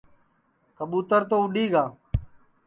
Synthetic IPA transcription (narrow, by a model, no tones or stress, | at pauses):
kəɓuːt̪əɾt̪oːʊɗiːɡaː